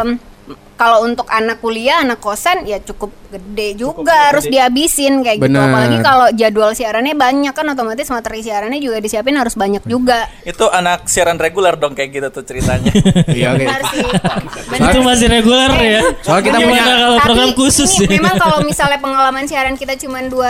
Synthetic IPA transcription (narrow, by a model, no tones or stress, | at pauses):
m | kalount̪ʊkanakːuliaːnakːosanjat͡ʃukʊp̚ɡədɛd͡ʒuɡaɾʊsdiabisɪnkajaɡbənalaɡikalod͡ʒadualsiaɾanɲabaɲakːanot̪omat̪ɪsmat̪ərisiɦaɾanɛd͡ʒuɡadisiap̬ɪnɦaɾʊsbaɲak̚d͡ʒuɡait̪uʔanak̚siaɾanreɡulɛrdɔŋkajak̚ɡit̪at̪ut͡ʃəɾit̪aɲa | aɾs | bəiumas̬ɪɾeɡulɛrjak̪aakalopɾoɡɾamkusʊsmemaŋkalomisalɲapəŋalamansiaɾankit̪at͡ʃumandua